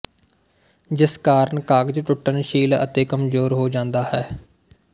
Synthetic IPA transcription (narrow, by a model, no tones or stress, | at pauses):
d͡ʒɪskaːɾəɳkaːɡd͡ʒʈʊʈːənʃiːlə̰t̪eːkəmzoːɾɦoːd͡ʒãːnd̪aːhɛː